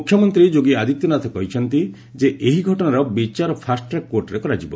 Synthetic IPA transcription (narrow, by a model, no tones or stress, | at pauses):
ukʰːjɔmɔnt̪ɾid͡ʒoɡiad̪it̪jɔnat̪ʰɔkɔɦit͡ʃʰɔnt̪i | d͡ʒeʔeɦiɡʱɔʈɔnaɾɔbit͡ʃaɾɔpʰasʈɾakwoɾʈɔɾekɔɾad͡ʒibɔ